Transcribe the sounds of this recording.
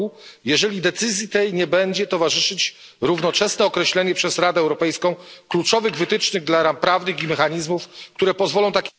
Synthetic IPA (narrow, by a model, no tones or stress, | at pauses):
ujɛʐɛlʲid̪ɛt̪sɘzʲjit̪ɛjɲɛbɛɲd͡ʑɛt̪ɔvaʐɘʂɘt͡ɕ | ɾuvnɔt͡ʂɛsnɛɔkɾɛɕlɛɲɛpʂɛzɾad̪ɛːwɾɔpɛjskɔ̃w̃klut͡ʂɔvɘɣvɘt̪ɘt͡ʂnɘɣd̪laɾampɾavnɘximɛxaɲizmufk̚t̪uɾɛpɔzvɔlɔ̃w̃t̪akʲ